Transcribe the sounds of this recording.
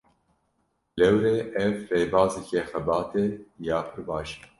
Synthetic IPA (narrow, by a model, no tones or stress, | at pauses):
lɛwɾeːʔɛvreːbɑːzikexɛbɑːt̪ejɑːpʰɨɾbɑːʃe̥